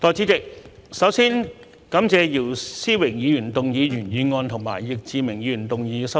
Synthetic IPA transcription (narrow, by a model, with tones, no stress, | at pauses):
t̪ɔː˨˧jt͡si˨˥tɪ˨k̚sɐ˨˥wsiː˥n | kɐ˨˥mt͡sɛː˧jiː˨˩wsiː˥wɪ˨˩ŋjiː˨˧jyː˨˩nt̪ʊ˨ŋjiː˨˧jyː˨˩njyː˨˧ŋɔː˧nt̪ʰʊ˨˩ŋma̰ː˨˩jjɪ˨k̚t͡siː˨˧mɪ˨˩ŋjiː˨˧y˨˩nt̪ʊ˨ŋjiː˨˧sɐ˨˥